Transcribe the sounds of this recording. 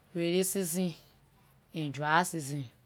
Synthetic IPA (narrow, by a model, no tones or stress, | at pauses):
weɾisizĩ | id͡ʒuasizĩ